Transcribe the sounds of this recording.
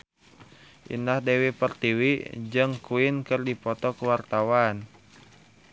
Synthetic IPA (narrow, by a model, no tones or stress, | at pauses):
ʔḭnahdewipərt̪iwid͡ʒɨŋkuɪnkɨrdipɔt̪ɔkəwart̪awan